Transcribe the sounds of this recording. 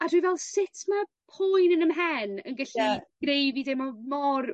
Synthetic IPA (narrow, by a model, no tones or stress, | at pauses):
adwivɛlˠsɪtʰma | pʰʊjnənəmɦɛnənɡəɬiɡ̥rejvidemɔmɔr